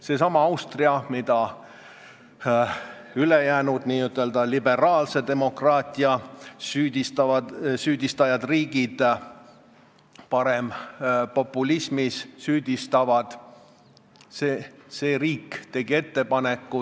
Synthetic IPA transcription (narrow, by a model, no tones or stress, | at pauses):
se̞ːsɑmɑɑwst̪riɑmid̪ɑ | ylejæːnud̪̥niːyt̪ːˑe̞ld̪ɑlibe̞ɾɑːlse̞d̪e̞mo̞krɑːt̪ʲˑiɑsyːd̪ʲist̪ɑvɑsyːd̪ist̪ɑjɑd̪riːɡ̥id̪̥ | pɑɾe̞mpo̞pːˑulismissyːd̪̥ʲist̪ɑvɑd̪̥ | seːse̞ːɾiːkːt̪e̞ɡ̥ie̞t̪ːe̞pɑne̞kːu